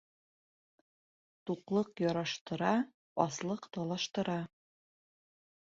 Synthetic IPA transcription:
t̪uqlˠɤqjɒɾɑʃt̪ɤ̆ɾɑ | ɒslˠɤqt̪ɑlˠɑʃt̪ɤ̆ɾɑ

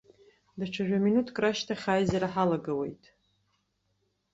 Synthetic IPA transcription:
daʈ͡ʂʷʰaʒᶣaminutʰkʼraʃtʰaχʲaːjzaɾaħalaɡawe̞̰jtʼ

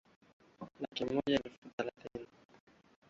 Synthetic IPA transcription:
lakimɔʄaɛlfuθalaθini

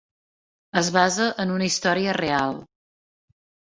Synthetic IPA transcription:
əzβazəʔənunəist̪ɔɾiərealˠ

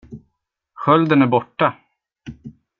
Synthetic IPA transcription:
ɧœld̪ənæɾbɔʈːa

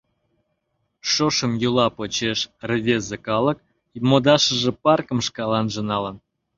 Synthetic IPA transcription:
ʃoʃə̆mjulɑpot͡ɕeʃrəvʲezekɑlə̆k̚ | imod̪ɑʃəʒə̆pɑrkə̆mʃkɑlɑnʒə̆nɑlən

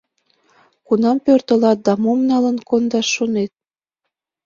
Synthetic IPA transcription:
kunɑmpørt̪ə̆lɑt̪̚d̪ɑmomnɑlə̆nkond̪ɑʃːonet̪̚

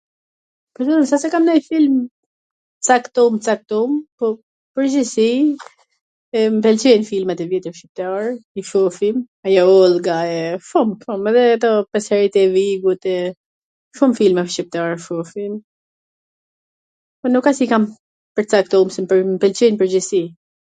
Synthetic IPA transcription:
pəɾd̪ɔɾimsasɛkamnajfilm | t͡sakt̪ɔmt͡sak̚t̪ɔmpɔ | pəɾd͡ʑisi | ɛmpɛlt͡ʃɛjnfilmɛt̪ɛvjɛt̪əɾfʃip̚t̪aɾifɔfim | ajɔɔlˠɡaɛfɔmfɔmɛðɛat̪ɔpɛsɛɾit̪ɛviɡut̪ɛ | fumfilmɛʃip̚t̪aɾfɔfim | pɔnukasikam | pəɾt͡sak̚t̪ɔmsɛmpəmpɛlt͡ɕɛjnpəɾd͡ʑɛsi

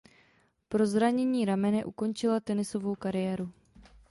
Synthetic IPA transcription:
pɾo̞zɾaɲɛɲiːɾamɛnɛʔuko̞nt͡ʃɪlat̪ɛnɪso̞vo̞wkaɾɪjɛːɾu

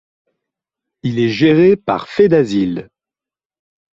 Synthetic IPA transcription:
ilɛʒeʁepa̰ʁfed̪azil

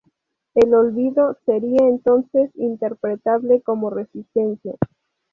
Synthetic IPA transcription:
e̞lolβiðo̞se̞ɾiaent̪o̞nse̞sint̪e̞ɾpɾet̪aβle̞ko̞more̞sist̪ensja

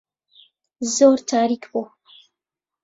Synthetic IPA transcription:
zoɾt̪ʰaːɾikbu

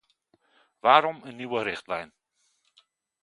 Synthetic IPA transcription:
ʋaːɾɔmənːiwəɾɪχtlɛjn

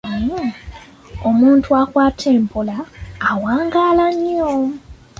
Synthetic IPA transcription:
e | omuːntuakwaːtʰeːmpʰolaːwaːŋɡaːlaɲːo

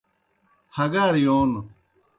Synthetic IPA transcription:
hɐɡaːɾijoːn

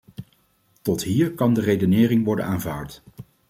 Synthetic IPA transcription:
tɔtɦiːɹkɑndərejdənɪːrɪŋʋɔɹdə̰naːnvaːɹt

